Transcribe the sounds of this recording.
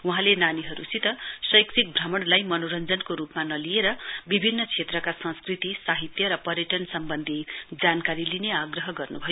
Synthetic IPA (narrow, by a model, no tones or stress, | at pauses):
wuɦãlenaniɦʌɾusit̪ʌsʌjksik̚bʱramʌɽlajmʌnoɾʌnd͡zʌnkoɾupmanʌlieɾʌbibʱinːʌt͡sʰet̪rʌkasʌ̃skrit̪isaɦit̪jʌɾʌpʌɾjʌʈʌnsʌmbʌnd̪ʱid͡zankaɾilineaɡrʌɦʌɡʌrnubʱʌjo